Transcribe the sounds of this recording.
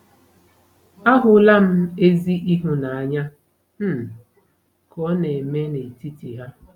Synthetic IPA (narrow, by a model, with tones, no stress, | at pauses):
a˦ɦʊ˨la˦m̩˦e˦zi˦ʔi˦ɦʊ˨na˨a˨ɲa˦ | m̩˦ | kɔ˦ne˨me˦ne˨ti˦ti˨ɦa˦